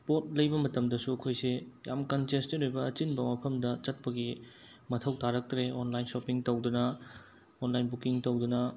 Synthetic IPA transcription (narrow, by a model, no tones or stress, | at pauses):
pot̚lɐjbɐmɐtɐmdɐsuɐkʰojsejamkɐnd͡ʒestinojbɐːt͡ʃinbɐmɐpʰɐmdɐt͡ʃɐt̚pɐɡi | mɐtʰɐwtaɾɐk̚tɾeonlajnsopiŋtowdunɐ | onlajnbukiŋtowdunɐ